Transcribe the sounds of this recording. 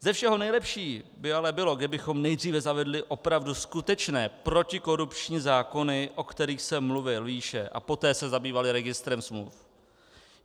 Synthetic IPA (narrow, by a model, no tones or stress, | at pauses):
zɛfʃɛɦo̞nɛjlɛpʃiːbɪalɛbɪlo̞ɡdɪbɪxo̞mnɛjdriːvɛzavɛdlɪʔo̞pɾavduskut̪ɛt͡ʃnɛːpɾo̞cɪko̞ɾupt͡ʃɲiːzaːko̞nɪʔo̞kt̪ɛɾiːxsɛmluvɪliʃɛʔa̰po̞t̪ɛːsɛzabiːvalɪɾɛɡɪst̪ɾɛmsmlṵf